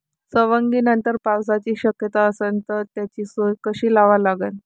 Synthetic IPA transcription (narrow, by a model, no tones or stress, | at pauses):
səʋəŋɡiːnənt̪əɾpawsat͡ɕiːɕəkjət̪aəsənt̪əɾt̪jat͡ɕiːsojkəɕiːlaʋalaɡən